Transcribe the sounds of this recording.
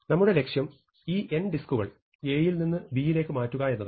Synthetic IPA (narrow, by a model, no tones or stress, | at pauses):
nɐmːuɽe̞le̞kʂjɐm | iːʔe̞nɖiskuɣɐ̰ɭ | e̞ːjilninːɨbijile̞ːkːɨmaːtːuɣɐe̞nːɐð